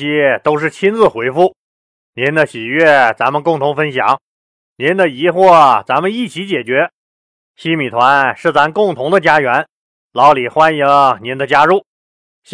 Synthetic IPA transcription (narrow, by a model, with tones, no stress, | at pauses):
ɕi˥t̪o˥ʊʂɻ̩˥˩t͡ɕʰi˥nd͡zɹ̩˧xwe˧˥ɪfu˥˩ | njɛ˧˥nd̪ə˧ɕi˨˩ɥɛ˥˩t͡sa˧˥mə˧nkʊ˥˩ŋt̪ʰʊ˧˥ŋfə˥nɕjɑ̰˨˩˦ŋ | njɛ˧˥nd̪ə˧˨i˧˥xwɔ˥˩t͡sa˧˥mə˧ni˥˩t͡ɕʰi˧˥t͡ɕjɛ˨˩t͡ɕɥɛ˧˥ | ɕi˥mi˨˩t̪ʰwa˧˥nʂɻ̩˥˩t͡sa˧˥mə˧nkʊ˥˩ŋt̪ʰʊ˧˥ŋd̪ə˧t͡ɕja˥ɥɛ˧˥n | lɑ˧˥ʊli˨˩xwa˥nji˧˥ŋnɛ˧˥nd̪ə˧t͡ɕja˥ɻu˥˩